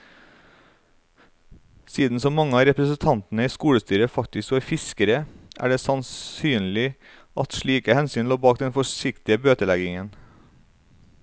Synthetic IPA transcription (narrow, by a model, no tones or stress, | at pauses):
siːd̪n̩sɔmɑŋəɑːɾɛpɾəsən̩t̪ʰɑnt̪n̩əiːskuːɽəst̪yːɾəfɑk̚t̪ɪskoːæːɾfɪskəɾəʔæ̰ːɖeːsɑnsyːnl̩ɪ | ʔɑt̪ʃɭiːkəhɛnsyːnloːbɑːk̚d̪ɛnfɔʃɪkt̪ɪəbøːt̪əlæɡɪŋən